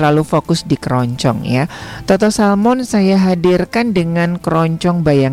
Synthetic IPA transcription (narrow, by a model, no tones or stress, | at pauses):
lalufokʊsdikəɾɔɲt͡ʃɔ̰ŋjat̪ɔt̪ɔsalmɔnsajaɦadirkandəŋankəɾɔɲt͡ʃɔŋbajaŋ